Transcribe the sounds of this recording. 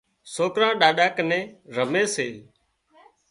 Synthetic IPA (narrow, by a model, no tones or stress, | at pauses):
soːkɾãːɗaːɗaːkənẽːɾəmeːsḛː